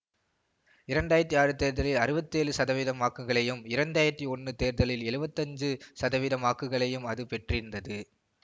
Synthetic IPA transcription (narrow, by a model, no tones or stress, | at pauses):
ɪɾɐɳɖaːjɪɾɐt̪ːiaːɾɯt̪eːɾðɐlɪlɐɾɯbɐt̪ːeːɻɯsɐðɐʋɪðɐmaːkːɯɣɐɭɐjɯmɪɾɐɳɖaːjɪɾɐt̪ːiɔnːɯt̪eːɾðɐlɪlɛɻɯbɐt̪ːɐɲd͡ʒɯsɐðɐʋɪðɐmaːkːɯɣɐɭɐjɯmɐðɯpɛʈrɪɾɯnd̪ɐðɯ